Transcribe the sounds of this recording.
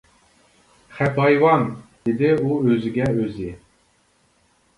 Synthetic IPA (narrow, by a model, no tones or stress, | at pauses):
χɛpɑjwɑnd̪̥ɪd̪ɪuøzɪɡʲɛøzɪ